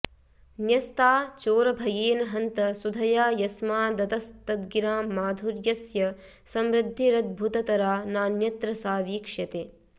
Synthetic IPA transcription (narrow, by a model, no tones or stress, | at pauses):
njɐst̪aːt͡ʃoːɾɐbʱɐjeːnɐɦɐnt̪ɐsud̪ʱɐjaːjɐsmaːd̪ɐt̪ɐst̪ɐd̪ɡiɾaːmmːaːd̪ʱuɾjɐsjɐ | sɐmɾɪd̪ʱːiɾɐd̪̚bʱut̪ɐt̪ɐɾaːnaːnjɐt̪ɾɐsaːʋiːkʂjɐt̪eː